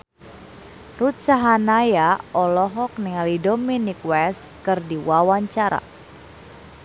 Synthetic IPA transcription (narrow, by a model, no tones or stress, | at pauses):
rut̪̚saɦanajaɔlɔɦɔk̚niŋalidɔminikwɛskɨrdiwawaɲt͡ʃaɾa̰